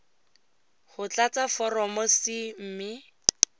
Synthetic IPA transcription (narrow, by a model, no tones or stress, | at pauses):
hʊt͡ɬat͡safɔrɔmɔsɪm̩ːmɪ